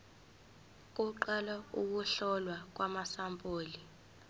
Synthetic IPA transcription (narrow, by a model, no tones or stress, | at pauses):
k̬ʼuǃalauk̬uɬɔlwak̬wamasampʼoːli